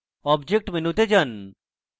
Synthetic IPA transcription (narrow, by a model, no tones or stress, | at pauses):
ɔbd͡ʒek̚ʈmenut̪ed͡ʒɐn